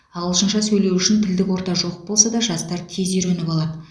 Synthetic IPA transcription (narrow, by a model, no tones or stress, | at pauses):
ɑlˠəʃənʃɑsɵjle̞wʏʃɪnt̪ʰɪld̪ɪkwo̞ɾt̪ɑʒo̞q̚bo̞lˠsɑd̪ɑʒɑst̪ɑɾt̪ʰe̞zeɾɵnɪpɑlˠɑd̪ə